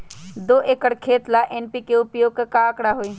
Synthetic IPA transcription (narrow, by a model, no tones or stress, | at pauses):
d̪oʔekəɽkʰeːt̪laʔenpikeʊpjoːɡ̚kkaːkɽaɦoi